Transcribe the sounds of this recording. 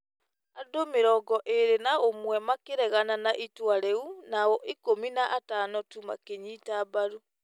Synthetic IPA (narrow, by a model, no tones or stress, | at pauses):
adomeɾɔːɡɔʔeɾenaomwɛmakeɾɛɣananaʔitwaɾeunaɔʔikominaʔataːnɔtuma̰keɲitabaɾu